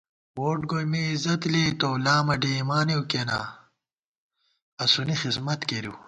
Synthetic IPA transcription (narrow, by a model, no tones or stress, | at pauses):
woːʈɡojmeizɐt̪let̪olaːmɐɖeːmaːnewkena̰ː | ɐsunixismɐt̪keɾḭw